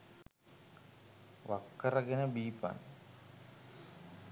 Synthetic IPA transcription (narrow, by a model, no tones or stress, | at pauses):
ʋakːɐrɐɡenəbiːpa̰n